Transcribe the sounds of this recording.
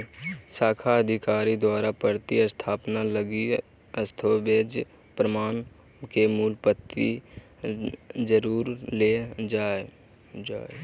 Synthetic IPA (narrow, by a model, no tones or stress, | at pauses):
saːkʰaəd̪ʱɪkaːɾid̪waːɾapəɾt̪iəst̪ʰaːpnaləɡi | əst̪ʰobeːd͡ʒ | pɾəmaːn | kemuːlpət̪ːḭ | d͡ʒəɾuːɾled͡ʒaːe | d͡ʒaːe